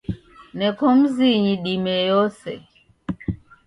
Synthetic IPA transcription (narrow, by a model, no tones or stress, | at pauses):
nɛkɔm̩ziɲiɗimɛjɔsɛ